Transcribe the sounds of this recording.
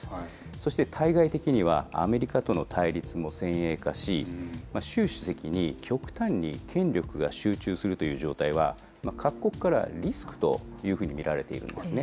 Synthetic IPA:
so̞ɕi̥t̪e̞t̪ʰaiɡait̪e̞kʲiɲ̟iβ̞a̰a̰me̞ɾʲikat̪o̞no̞t̪ʰaiɾʲit͡sɨmo̞sẽ̞ɰ̃e̞ːkaɕimaɕɨːɕɨ̥se̞kʲiɲ̟ikʲʰo̞kɯ̟̥t̪ãɲ̟ːḭkʰẽ̞nɾʲo̞kɯ̟ɡaɕɨːt͡ɕɨːsɨɾɯ̟t̪o̞jɯ̟ːʑo̞ːt̪aiβ̞a̰ | makʰakkːo̞kɯ̥kaɾa̰ɾʲisɨ̥kɯ̥t̪o̞̰jɯ̟ːɸɯ̟ːɲ̟imʲiɾaɾe̞t̪e̞̰ḭɾɯ̟̰̃nd̪e̞sɨne̞

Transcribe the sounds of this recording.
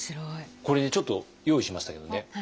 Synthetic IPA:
ɕiɾoiko̞ɾe̞ɲet͡ɕo̞t̪ːo̞ | jo̞ːiɕimaɕi̥t̪ake̞d̪o̞ne̞

